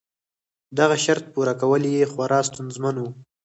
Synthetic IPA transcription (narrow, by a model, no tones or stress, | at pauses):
d̪aɣaʃaɾt̪̚puɾakawəljexwaɾɑst̪ʊnzmanwu